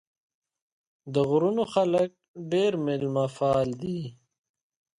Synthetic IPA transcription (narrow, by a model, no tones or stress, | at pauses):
d̪əɣʊɾunoxɐlək̚ɖeːɾmɪlmafaːld̪iː